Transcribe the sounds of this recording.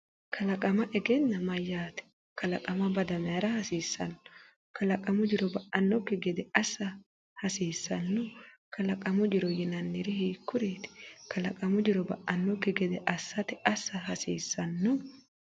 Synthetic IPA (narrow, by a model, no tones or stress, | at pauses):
kʰɐlɐkʼɐmɐʔɛɡɛnːɐmɐjːaːt̪ɛ̥ | kɐlɐkʼɐmɐbɐd̪ɐmɛjaːɾɐhɐsiːsːɐ̰nːʊ̥ | kɐlɐkʼɐmʊd͡ʒɪɾɔbɐʔɐnːɔkːɪɡɛd̪ɛɐsːɐ | hɐsiːsːɐnːʊkʰɐlɐkʼɐmʊd͡ʒɪɾɔjɪnɐnːɪɾɪhiːkːʊɾeːt̪ɪ̥kʰɐlɐkʼɐmʊd͡ʒɪɾɔbɐ̰ʔɐnːɔkːɪɡɛd̪ɛʔɐsːɐt̪ɪʔɐsːɐɦɐsiːsːɐnːʊ